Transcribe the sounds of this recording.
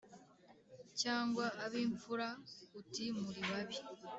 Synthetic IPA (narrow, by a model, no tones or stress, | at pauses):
caːŋɡwaːβiːɱfuɾautimuɾiwaβi